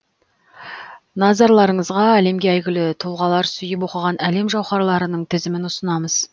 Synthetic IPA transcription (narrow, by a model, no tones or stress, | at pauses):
nɑzɑɾlˠɑɾəɴəzʁɑæle̞mɡʲeæjɡʲɪlɪt̪ʰolˠʁɑlˠɑɾsʏjɪpwo̞qəʁɑnæle̞mʒɑwχɑɾlˠɑɾənəɴt̪ʰɪzɪmɪnʊsənɑməz̥